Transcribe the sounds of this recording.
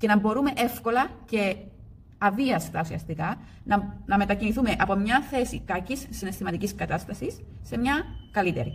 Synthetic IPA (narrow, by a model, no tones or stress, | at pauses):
ce̞nɐmbo̞ɾume̞ʔe̞fko̞lɐce̞ | ɐviɐst̪ɐusiɐst̪ikɐ | nɐme̞t̪ɐciniθumeʔɐpo̞mɲɐθe̞sḭkɐcisːine̞st̪imɐt̪iciskɐt̪ɐst̪ɐsisːe̞mɲɐkɐlit̪e̞̰ɾḭ